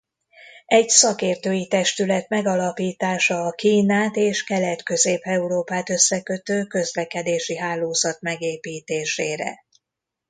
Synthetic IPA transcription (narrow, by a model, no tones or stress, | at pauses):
ɛɟsɒkeːrt̪øːjit̪ɛʃt̪ylɛt̪mɛɡɒlɒpiːt̪aːʃɒːkiːnaːt̪eːʃkɛlɛt̪kø̞zeːpɛuɾoːpaːt̪ø̞sːɛkø̞t̪øːkø̞zlɛkɛd̪eːʃiɦaːlːoːzɒt̪mɛɡeːpiːt̪eːʃeːɾɛ̰